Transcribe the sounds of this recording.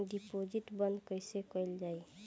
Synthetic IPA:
ɖipod͡ʒiʈbənd̪kəjsekəɪld͡ʒaːj

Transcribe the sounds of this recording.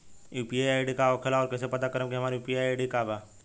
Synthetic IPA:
juːpiajajɖikaɔkʰelaɔːɾkɛːsepɐt̪akəɾəmkiɦɐmaːɾejuːpiaɖikaːba

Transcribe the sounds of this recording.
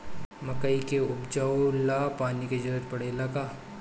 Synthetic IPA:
mɐkəikeʊbd͡ʒaolapaːniked͡ʒɐɾət̪pɐɽeːlakaː

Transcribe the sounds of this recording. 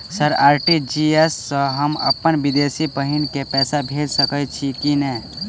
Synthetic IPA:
səɾaːɾʈid͡ʒiesːə̃ɦəmə̰pənʋɪd̪eːsipəɦinkepɛːsabʱeːd͡ʒsəkət͡ʃʰikinɛː

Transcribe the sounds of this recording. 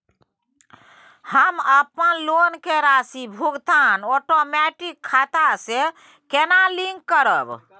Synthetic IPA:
həməpənlonkeɾasibʱuɡt̪anɔʈomɛʈikʰːat̪ase | kenaliŋɡkːəɾəb

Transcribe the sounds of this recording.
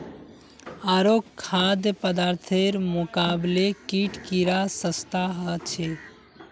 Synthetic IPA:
aɾokʰːad̪jəpəd̪aɾt̪ʰeɾmʊkablekiʈʰkiɾasəst̪aɦət͡ʃʰe

